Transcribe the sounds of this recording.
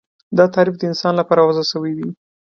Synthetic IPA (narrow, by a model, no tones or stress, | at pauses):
d̪ɑt̪ɑɾifd̪əɪnsɑnlapɑɾawazasəwid̪i